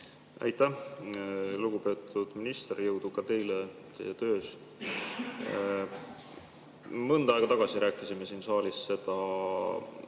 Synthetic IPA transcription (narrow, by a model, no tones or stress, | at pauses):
æ̰jt̪ːˑæh | luɡ̥upe̞ːt̪ˑud̪̥minist̪rjɤwd̪̥ukɑt̪e̞jlet̪e̞jet̪ø̞ːs | mɤnd̪ɑˑeɡ̥ɑt̪ɑɡ̥ɑsiɾæːkːˑisime̞siːnsɑːlisse̞d̪̥ɑ